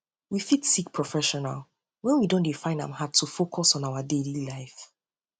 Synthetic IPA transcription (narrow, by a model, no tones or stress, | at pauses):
wifitsik̚pʰɹ̥ɔfɛʃɔna̰lˠ | wɛ̃nwidõndefãɪ̃ndã̰mhad̚tʰːufokʰɔsɔ̃naʊadelilaɪf